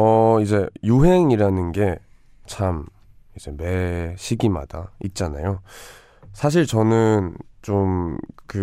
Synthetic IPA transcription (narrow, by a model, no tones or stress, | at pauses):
ʌid͡ʑe̞juɦe̞ŋiɾanɯnɡe̞ | t͡ɕʰam | id͡ʑe̞me̞ɕʰiɡima̰d̥a̰it̚t͡ɕ͈ana̰jo | sʰaɕ̬ʰiɭt͡ɕʌnɯnt͡ɕomkɯ